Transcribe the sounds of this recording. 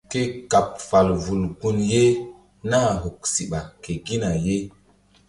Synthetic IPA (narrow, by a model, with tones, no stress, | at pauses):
ke˦ka˨p̚fa˨lvu˨lɡu˦nje˦ | naː˦˨ɦo˨k̚si˨ɓa˨ke˨ɡi˦na˨je˦